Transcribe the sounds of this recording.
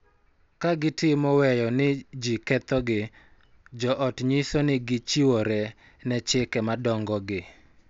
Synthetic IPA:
kaɡɪtɪmɔwɛjɔnɪd͡ʒikɛt̪ɔɡɪ | d͡ʒɔʔɔtɲisonɪɡɪt͡ʃiwɔɾɛ | nɛt͡ʃɪkɛmadɔŋɡɔɡɪ

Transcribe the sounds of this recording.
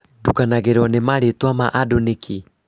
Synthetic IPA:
dukanaɣeɾɔnemaɾetwama̰ʔadoneki

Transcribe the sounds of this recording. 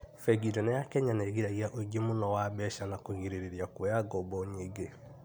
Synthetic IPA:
fɛɡiɾɛnejakɛɲaneɣiɾaɣiaʔoɡemonɔwabɛʃanakoɣiɾeɾeɾjakwɛaɡɔbɔɲeɡe

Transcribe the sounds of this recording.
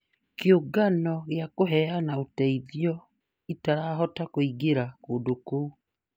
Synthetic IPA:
keoɡanɔɣeakoɦɛanaotɛiðjɔ | itaɾaːɦɔtakoiɡeɾakoːndokou

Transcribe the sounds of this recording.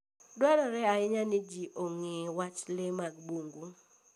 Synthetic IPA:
dwalɔɾɛaɪɲanɪd͡ʒiʔoŋewat͡ʃlɪmaɡbuŋɡu

